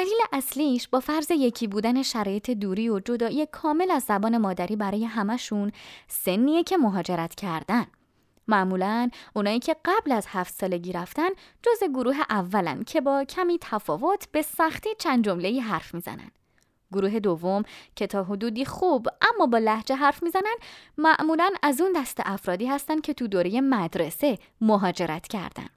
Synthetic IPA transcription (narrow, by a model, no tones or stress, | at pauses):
d̪æliːleʔæsliːʃbɒːfæɾze̞je̞cʰiːbuːd̪æne̞ʃæɾɒːje̞t̪ʰe̞d̪uːɾiːod͡ʒo̞d̪ɒːʔiːekʰɒːme̞læzːæbɒːne̞mɒːd̪æɾiːbæɾɒːje̞ɦæmæʃunse̞nːiːjecʰe̞mo̞ɦɒːd͡ʒe̞ɾæt̪ʰcʰæɾd̪æn | mæʔmuːlænunɒːʔiːcʰe̞ɢæblæz̥hæft̪sɒːle̞ɟiːɾæft̪æn | d͡ʒozeɡoɾuːɦe̞ʔævːælæ̰nd̪̚cʰe̞bɒːcʰæmiːt̪ʰæfɒːvo̞t̪ʰb̥e̞sæxt̪iːt͡ʃʰænd̪d͡ʒo̞mle̞iːɦæɾfmiːzæ̰næ̰nd̪̥ | ɡoɾuːɦe̞d̪ovːo̞mcʰe̞t̪ʰɒːɦod̪uːd̪iːxuːbʔæmːɒːbɒːlæhd͡ʒe̞ɦæɾfmiːzænænd̪mæʔmuːlænæzund̪æst̪e̞̰ʔæfɾɒːd̪iːhæst̪ænd̪̚cʰe̞t̪ʰud̪oːɾeje̞mæd̪ɾe̞se̞ | moɦɒːd͡ʒe̞ɾʔæt̪ʰcʰæ̰ɾd̪æ̰n